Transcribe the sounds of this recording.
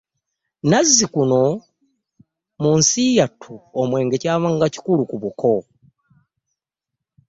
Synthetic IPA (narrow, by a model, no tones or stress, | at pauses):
nazːikuno̞ | munsijatʰuomwe̞ːŋɡe̞caːβaŋɡaci̥kulukuβukʰo